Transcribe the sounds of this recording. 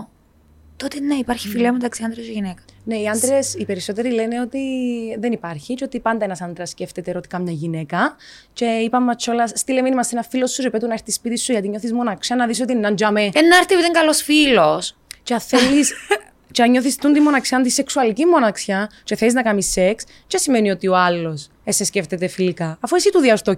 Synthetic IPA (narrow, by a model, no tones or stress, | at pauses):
t̪ot̪enɐipɐɾçi̥filiɐmet̪ɐksiɐnd̪ɾesʝinekɐ̥ne̞iɐnd̪ɾesipe̞ɾiso̞t̪eɾileneo̞t̪iðenipɐɾçit͡ʃeot̪ipɐnd̪ɐenɐsɐnd̪ɾɐsceft̪et̪eɾot̪i̥kɐmɲɐʝine̞kɐ | ce̞ipɐmːɐt͡ʃʰːo̞lɐsst̪ileminimɐst̪enɐfːilo̞sːuɾepet̪uneɾt̪ispit̪isːuʝɐt̪iɲo̞θizmonɐksɐnɐðis̬o̞t̪ienːɐnd͡ʒɐmeenːɐɾθioiðeŋɡɐlosfilost͡ʃɐθelːis | ceɐɲo̞θist̪und̪imːo̞nɐksiɐnd̪ise̞ksuɐlicimːo̞nɐksçɐceθeliznɐkɐmisːe̞ks | cesimenio̞t̪ioɐlːo̞s | esːesce̞ft̪et̪e̞filikɐːfoisit̪uðiɐst̪o